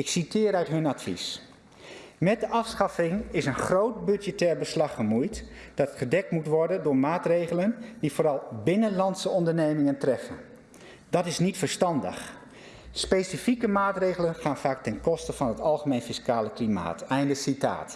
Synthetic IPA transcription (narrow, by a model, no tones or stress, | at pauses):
ɪksitɪːɾœɥtɦɵnatfḭs | mɛt̚dəʔɑfsχɑfɪŋɪsənχrowt̚bʏd͡ʒjətɛːɹbəslɑχəmujt | d̥ɑtχədɛk̚tmutʋɔɹdəndʊːɹmaːtrejχələndifoːɾɑlˠbɪnənlɑntsəɔndəɹnejmɪŋəntrɛfən | dɑtɪsnitfəɹstɑndə̰χ | spejsifikəmaːtrejχələnχaːnfaːk̚tɛnkɔstəv̥ɑnɦətɑlˠχəmejnfiskaːləklima̰ːtɛjndəsita̰ːt